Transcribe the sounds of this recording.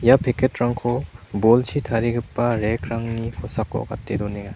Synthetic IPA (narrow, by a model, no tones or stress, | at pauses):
japʰeketɾaŋkʰobolsitʰaɾiɡɯpːaɾekʰɾaŋnikʰɔsakːo̰ɔ̰ɡa̰tːedɔniŋa